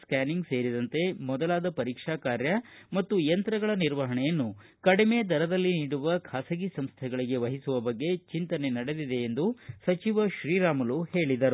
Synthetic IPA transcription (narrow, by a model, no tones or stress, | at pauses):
skaːniŋɡse̞ːɾid̪ɐnt̪e̞mɔd̪ɐlaːd̪ɐpɐɾiːkʂaːkaːɾjɐmɐt̪ːujɐnt̪ɾɐɡɐɭɐniɾʋɐɦɐɳɛjɐnːu | kɐɽime̞d̪ɐɾɐd̪ɐlːiniːɽuʋɐkʰasɐɡisɐmst̪ʰɛɡɐɭiɡe̞ʋɐɦisuʋɐbɐɡːe̞t͡ʃint̪ɐne̞nɐɽe̞d̪id̪e̞ːnd̪usɐt͡ʃiʋɐʃɾiːɾaːmɐluhe̞ːɭid̪ɐɾu